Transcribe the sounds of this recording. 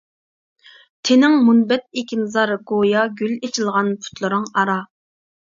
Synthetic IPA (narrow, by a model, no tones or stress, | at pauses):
t̪ʰenɪŋmunbɛt̪̚ekʲinzɑɾɡojɑɡʲylet͡ʃʰilˠʁɑnpʰu̥t̪lˠɨɾɨŋɑɾɑ